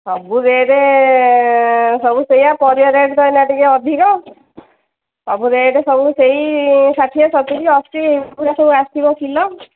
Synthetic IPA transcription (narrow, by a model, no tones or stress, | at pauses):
sɔbud̪eeʈe | sɔbusejapɔɾijɔɾeʈt̪ɔjnaʈikeɔd̪ʱikɔ | ɔbud̪eʈesɔbuseɦisat̪ʰiasɔt̪ukiɔst̪ikeibpʰesɔbuast̪ʰibɔkʰilɔ